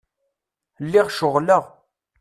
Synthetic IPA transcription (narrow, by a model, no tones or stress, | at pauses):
lːɪʁʃʊʁləʁ